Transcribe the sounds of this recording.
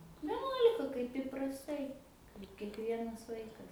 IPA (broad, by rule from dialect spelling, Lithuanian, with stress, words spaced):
ʋʲɛˈnuɔlʲɪkɐ kɐɪp ɪprɐsˈtɐɪ ɪr kʲiɛkˈʋʲiɛnɐs ˈʋɐɪkɐs